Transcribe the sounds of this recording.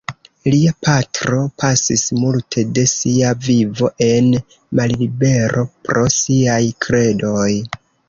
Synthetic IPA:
liapʰatɾo̞pʰasismultʰe̞de̞siavivo̞ʔe̞n | mallibe̞ɾʔo̞pɾo̞siajkʰɾe̞do̞j

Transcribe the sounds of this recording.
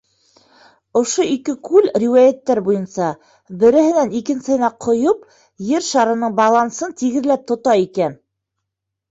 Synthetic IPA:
ŏʃoikɘkʉlriwɑjæt̪ːæɾbujɤ̆nsɑ | bɘ̆ɾɘ̆hɘ̆nænikɘ̆nsɘ̆hɘ̆næqʰŏjɤp | jɘɾʃɑɾɤ̆nɤɴbɑlˠɑnsɤnt̪iɡɘ̆ðlæp̚t̪ŏt̪ɑikæn

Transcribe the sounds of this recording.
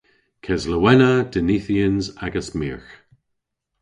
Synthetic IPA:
kʰɛzləwɛnəd̪̥əniθiənzaɡəsmḭːɹx

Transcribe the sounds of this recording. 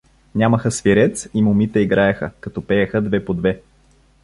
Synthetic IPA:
nʲaməxəsviɾɛt̪simomit̪ɛiɡɾaɛxə̰kɐt̪ɔpɛjəxəd̪vɛpod̪vɛ

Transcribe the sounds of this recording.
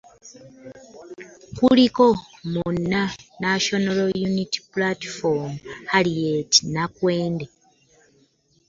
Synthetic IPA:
kuliko̞munːanaʃonolojuniti̥platfomhalieti̥nakwe̞ːnde

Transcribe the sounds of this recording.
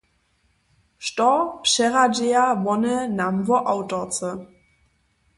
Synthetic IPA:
ʃtɔpʃɛʁad͡ʒeabɔnənamvɔʔaʊtɔt͡sə

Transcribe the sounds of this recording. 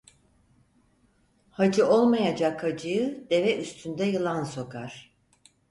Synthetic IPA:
had͡ʒɯo̞lˠmajad͡ʒakhad͡ʒɯjɯd̪e̞vɛʔyst̪ʰynd̪ɛjɯlˠanso̞kaɾ̥

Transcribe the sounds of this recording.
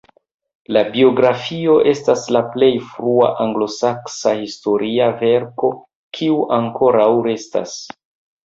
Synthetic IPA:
labio̞ɡɾafio̞ʔe̞staslaple̞jfɾua̰ʔaŋɡlo̞saksahisto̞ɾiave̞ɾko̞ | kʰiuʔaŋko̞ɾawɾe̞sta̰s

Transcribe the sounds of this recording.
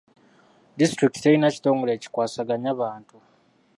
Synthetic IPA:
distɾiktiejinaci̥to̞ːŋɡo̞le̞ːci̥kwaːsaɡaɲaβaːntu

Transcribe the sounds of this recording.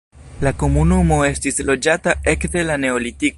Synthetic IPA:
lako̞munumo̞e̞stislo̞d͡ʒatae̞kde̞lane̞o̞litiko

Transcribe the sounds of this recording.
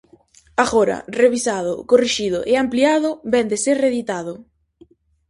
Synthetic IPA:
aɣoɾɐ̰reβisaðʊ̰koriʃið̞ʊ̰ʔeampliaðʊbɛnd̪eseɾreðit̪aðʊ

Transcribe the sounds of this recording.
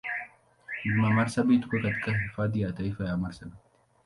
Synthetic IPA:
ʔɪmːamɐɾsɐbiːt̪ʊ̥kɐkɐt̪kʼɐɪfad̪ɪjaːt̪ɐɪfɐjaːmɐɾsɐb

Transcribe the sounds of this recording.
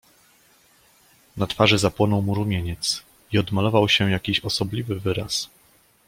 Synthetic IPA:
nat̪faʐɘzapwɔnɔwmuɾumʲeɲɛt̪s | iɔd̪malɔvawɕɛjakʲiɕɔsɔblʲivɘvɘɾa̰s

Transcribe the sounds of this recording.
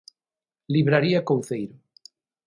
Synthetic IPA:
liβɾaɾiakowθejɾo

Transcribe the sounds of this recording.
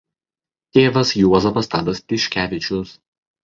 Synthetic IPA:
t̪ʲeːʋɐsjuɔzɐpɐst̪ɑːd̪ɐspʲɪʃʲkʲæːʋʲɪt͡ʃʲʊs

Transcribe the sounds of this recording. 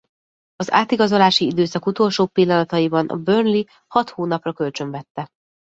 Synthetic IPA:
ɒza̰ːt̪iɡɒzo̞laːʃiid̪øːsɒkut̪o̞lʃoːpilːɒnɒt̪ɒjibɒnʔɒ̰børnli | hɒt̪hoːnɒprɒkø̞lt͡ʃø̞ɱvɛt̪ːɛ

